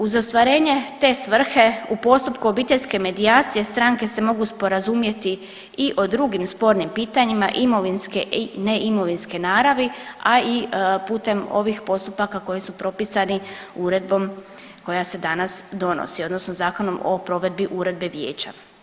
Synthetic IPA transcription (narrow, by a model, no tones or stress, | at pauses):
uzo̞st̪ʋaɾe̞ːɲe̞t̪e̞ːsʋr̩xe̞upo̞st̪upkuobiːt̪eʎʲske̞me̞d̪iaːt̪sije̞st̪ɾaŋke̞se̞mo̞ɡuspo̞ɾazumje̞t̪i | iʔo̞d̪ɾuɡimspo̞ɾnimpiːt̪aɲimaʔimo̞ʋinskeʔineʔimo̞ʋinskenaːɾaʋiaipuːt̪e̞mo̞̰ʋixpo̞st̪upakako̞jisupɾo̞pisaniuɾe̞d̪̚bo̞m | ko̞jase̞d̪anasd̪o̞no̰sio̞d̪no̞snozaːko̞no̞mo̰pɾo̞ʋe̞d̪̚biʔuɾe̞d̪̚be̞ʋje̞ːt͡ɕa̰